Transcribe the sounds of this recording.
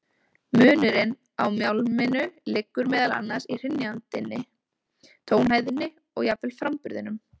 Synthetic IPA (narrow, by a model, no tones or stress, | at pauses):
mʏːnʏɾɪn | awmjawlmɪnʏlɪkːʏɾmɛːðala̰nːḁsir̥ɪnːant̪ɪnːɪ | t̪ʰoːwnɦaːjðɪnːɪ | ɔɣjapvɪlfɾampʏɾðɪnʏm